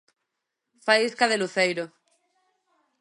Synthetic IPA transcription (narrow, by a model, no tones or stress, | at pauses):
faiskaðeluθejɾo